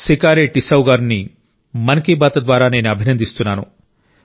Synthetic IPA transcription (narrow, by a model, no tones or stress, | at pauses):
sikaːɾeːʈisɐwɡaːɾni | mɐnɐkiːbaːt̪ɐd̪ʋaːɾaːneːniɐbʱinɐnd̪ist̪unːaːnṵ